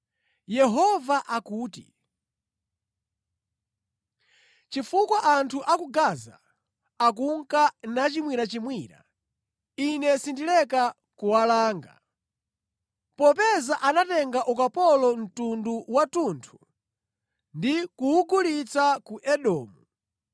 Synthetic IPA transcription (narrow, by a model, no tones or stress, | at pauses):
jɛɦɔvaʔakuːtḭ | t͡ʃifukwaʔantʰuʔakuɡaːza̰ | ak̬uŋkanat͡ʃimwiɾat͡ʃimwiːɾa̰ | inɛsindilɛka | kuwalaːŋɡa̰ | pɔpɛzaʔanatɛŋɡaʔukapɔlɔn̩tunduwatuntʰu̥ | ndikuuɡulit͡sakuʔɛɗɔːmu